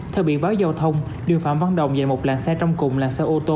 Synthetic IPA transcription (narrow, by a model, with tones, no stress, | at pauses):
t̪ʰɛː˨˧˩ɓḭ˧˨vaː˨˦wza˨˩wt̪ʰə˧wŋ͡m | ɗɨ˨˩əfaː˧˨mva˧nɗə̰˧˨wŋ͡mza˨˩jmo˨˩p̚laː˨˩nsɛː˧t͡ɕɔ˧wŋ͡mkʊ˨˩ŋ͡mla̰ː˨˩nsɛː˧ʔo˧t̪o˧